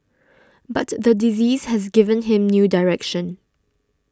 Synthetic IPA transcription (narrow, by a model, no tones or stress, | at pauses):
batðədiziːzhɛzɡɪvə̃nɦɪ̃mnjuːdaɹɛkʃə̃n